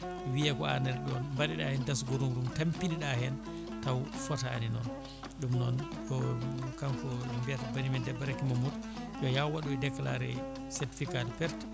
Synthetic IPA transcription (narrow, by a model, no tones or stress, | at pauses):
wijakɔa̰nɛɾɗɔnmbaɗiɗahɛndasɡoɾumɾumtampiniɗahɛn | tawfɔtaːninɔ̰n | ɗumnɔnɗɔkamkɔmbiatabanimindɛbaɾakimamutʔɔjawaɗudɛkːlaɾɛ̰ | sɛɾti̥fikalpɛɾt